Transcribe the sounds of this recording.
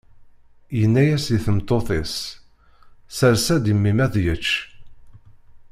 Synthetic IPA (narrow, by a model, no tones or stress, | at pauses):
jənːæjæsiθəmt̪ːoθes | səɾsæd̪imːimæðjət͡ʃː